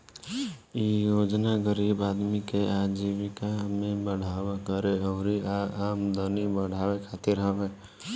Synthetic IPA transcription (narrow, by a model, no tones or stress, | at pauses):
ijoːd͡ʒnaɡəɾiːbaːd̪mikeʔad͡ʒiʋikamẽbəɽ̤aːwakəɾeɔɾiaɾaːmd̪ənibəɽ̤ʱaːwekʰaːt̪ɪɾɦəʋeː